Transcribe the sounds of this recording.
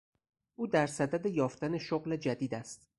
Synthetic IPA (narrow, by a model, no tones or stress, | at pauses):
ʔuːd̪æɾsæd̪æd̪ejɒːft̪æne̞ʃoɣled͡ʒæd̪iːd̪æst̪